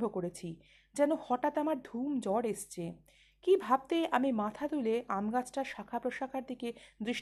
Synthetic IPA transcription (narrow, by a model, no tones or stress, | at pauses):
bʱokoɾet͡ɕʰi | d͡ʑɛnohɔʈat̪amaɾd̪ʱumd͡ʑɔɽeʃt͡ɕʰe | kibʱab̚t̪eamimat̪ʰad̪uleʔamɡat͡ɕʰʈaɾʃakʰapɾoʃakʰaɾd̪ʱiked̪ɾiʃ